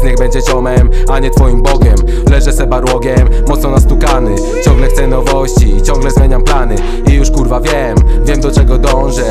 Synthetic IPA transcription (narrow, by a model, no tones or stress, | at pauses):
ɲɛɣbɛɲd͡ʑɛd͡ʑɔmɛmaɲɛt̪fɔjimbɔɡʲɛm | lɛʐɛzɛbaɾwɔɡʲɛmːɔt̪snɔnast̪ukanɘ | t͡ɕɔ̃ŋɡlɛxt̪ɛnɔvɔɕt͡ɕit͡ɕɔ̃ŋɡlɛzmʲjeɲamplanɘ | ijuʂkuɾvavʲjɛmvʲjɛmd̪ɔt͡ʂɛɡɔd̪ɔ̃w̃ʐɛ